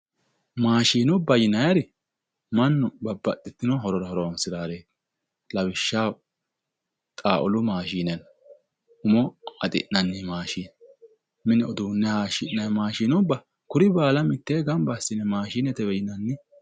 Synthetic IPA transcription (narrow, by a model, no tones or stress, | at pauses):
maːʃiːnʊbːɐjɪnɐjɐɾɪ | mɐnːʊbɐbːɐt̪ːɪt̪ːɪnɔɦɔɾɔɾɐhɔɾɔwɐnsɪɾaːɾeː | lɐwɪʃːaː | t̪ʼaːʔʊlʊmaːʃiːnɛn | ʊmɔɐt̪ʼɪ̰ʔnɐnːɪmaːʃiːn | mɪnɛɔd̪uːnːɛhaːʃɪʔɐjmaːʃiːnʊbːɐ | kʊɾɪbaːlɐmɪt̪ːeːɡɐmbasːɪnɛmaːʃiːnɛt̪ɛbɛjɪnɐnːɪ